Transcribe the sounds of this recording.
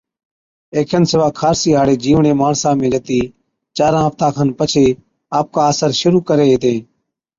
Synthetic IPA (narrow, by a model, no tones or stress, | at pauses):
eːkʰənsəʋaːkʰaːɾsiːɦaːɽeːd͡ʒiːʋɳeːmaːɳsãːmẽːd͡ʒət̪iː | t͡ʃaːɾãːɦəft̪ãːkʰənpət͡ʃʰeː | aːp̚kaːəsəɾʃʊɾuːkəɾeːɦeːt̪ẽː